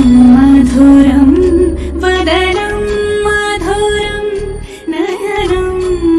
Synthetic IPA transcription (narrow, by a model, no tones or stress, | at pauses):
mmad̪ʱoːɾɐm | ʋɐd̪ʱɐnɐmːad̪ʱoɾɐm | nɐjɐnɐm